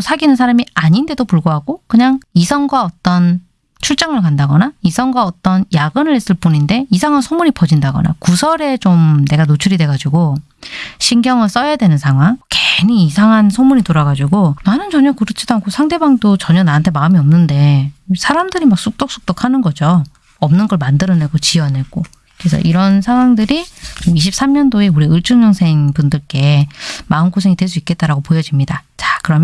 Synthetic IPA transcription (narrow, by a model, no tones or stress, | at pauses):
sʰaɡinɯnsʰaɾamiaɲinde̞dopuɭɡoɦaɡokɯɲaŋisʰʌŋɡwaʌt͈ʌn | t͡ɕʰuɭt͡ɕ͈aŋɯɭkandaɡʌnaisʰʌŋɡwaʌt͈ʌnjaɡɯnɯɭes͈ɯɭp͈uninde̞isʰaŋɦansʰomuɾipʌd͡ʑindaɡʌna̰kusʰʌɾe̞t͡ɕomne̞ɡanot͡ɕʰuɾidwe̞ɡad͡ʑuɡo | ɕʰiŋɡjʌŋɯɭs͈ʌjadwe̞nɯnsʰaŋɦwaŋkeniisʰaŋɦansʰomuɲitoɾaɡad͡ʑuɡonanɯnt͡ɕʌɲʌkɯɾɯt͡ɕʰidoankʰosʰaŋde̞baŋdot͡ɕʌɲʌnaantʰe̞maɯmiʌmnɯnde̞sʰaɾamdɯɾimak̚s͈ʰuk̚t͈ʌk̚s͈u̥k̚t͈ʌkʰanɯnɡʌd͡ʑo | ʌmnɯnɡʌɭmandɯɾʌne̞ɡot͡ɕiʌne̞ɡ̥͈o | kɾe̞sʰʌ̰ʔiɾʌnsʰaŋɦwaŋdɯɾit͡ɕomiɕʰip̚s͈amɲʌndoe̞uɾiɯɭt͡ɕʰuŋɲʌŋsʰe̞ŋpundɯɭk͈e̞maɯnkʰosʰeŋitwe̞ɭs̬͈uik͈e̞t̚t͈aɾaɡopojʌd͡ʑimɲidat͡ɕakɯɾʌm